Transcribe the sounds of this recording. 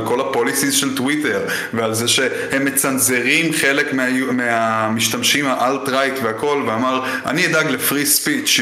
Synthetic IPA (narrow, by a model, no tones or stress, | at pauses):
lko̞lapo̞lisizʃelt̪wite̞ʁ | vealze̞ʃe̞ | hemːe̞t͡sanze̞ʁimχe̞le̞kmeameamiʃtamʃimaʔaltʁajt̪veako̞lveamaʁ | ʔa̰niid̪aɡlefʁispit͡ʃ